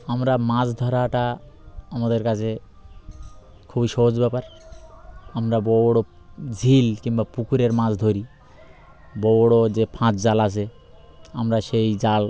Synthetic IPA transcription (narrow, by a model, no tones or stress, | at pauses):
amɾamãd͡ʑd̪ʱɔɾaʈa | amad̪eɾkat͡ɕʰe | kʰubiʃɔɦod͡ʑbɛpaɾ | amɾabɔwɽo | d͡ʑʱilkiŋbapukuɾeɾmãd͡ʑd̪ʱoɾi | bɔɽod͡ʑepʰãt͡ɕd͡ʑalasʰe | amɾaʃejd͡ʑal